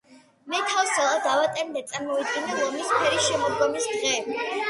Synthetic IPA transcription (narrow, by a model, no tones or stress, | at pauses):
mɛt̪ʰawsɛlˠad̪avat̪ʼɛɾnd̪at̪sʼaɾmɔid̪̚ɡinad̪ɔmispʰɛɾisʃɛmɔd̪ɡɔmisd̪ʁɛː